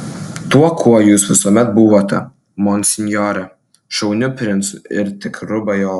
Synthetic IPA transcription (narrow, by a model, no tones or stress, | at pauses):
t̪uɔkʰuɔjuːsʋʲɪsuɔmʲɛt̪̚buʋot̪ʲɛ̰ | mɔnʲsʲɪnʲjɔɾɛ | ʃɐʊnʲʊpʲɾʲɪnt̪sʊɪɾt̪ʲɪkɾʊbɐjoː